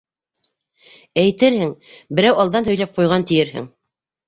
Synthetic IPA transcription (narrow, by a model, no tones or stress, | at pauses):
æjt̪ɘɾhɘŋbɘ̆ɾæwɑlˠd̪ɑnhɵ̆jlæp̚qujʁɑnt̪ɘ̆jɘɾɦɘ̰ŋ